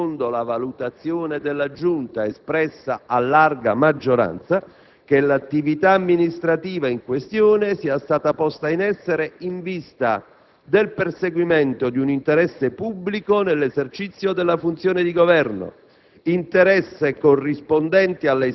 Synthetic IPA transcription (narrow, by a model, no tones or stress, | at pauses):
ond̪olavalut̪at̪sːjoːned̪elːad͡ʒunt̪aespɾɛsːa̰alːarɡamad͡ʒːoɾa̰nt̪sa | k̟elat̪ːivit̪aːmːinist̪ɾat̪iːvaiŋkwest̪jɔːnesiːast̪aːt̪apɔst̪ainɛsːeɾeiɱvist̪a̰ | d̪elperseɡwimɛnt̪od̪iunint̪eɾɛsːepubːlikonelːezert͡ʃit̪sːjod̪elːafunt̪sjoːned̪iɡovɛrno̰ | int̪eɾɛsːekorːispond̪ɛnt̪ialːe